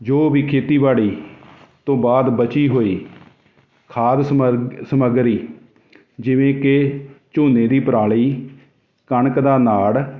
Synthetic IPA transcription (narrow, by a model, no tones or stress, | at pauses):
d͡ʒoːʋiːkʰeːt̪iːbaːɽiː | t̪õːbaːd̪bət͡ʃiːɦoːiː | kʰaːd̪səməɡɾiː | d͡ʒɪʋẽːket͡ʃoːneːd̪iːpəɾaːɭiː | kəɳkd̪aːnaːɽ